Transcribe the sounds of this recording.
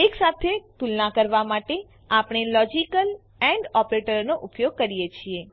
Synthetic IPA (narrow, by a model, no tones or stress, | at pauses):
eksat̪ʰet̪ulnakəɾʋamaʈe | apɳ̃elɔd͡ʒikəl | ɛ̃ɳɖɔpɾeʈəɾnoʔupjoɡ̚kəɾijet͡ʃʰie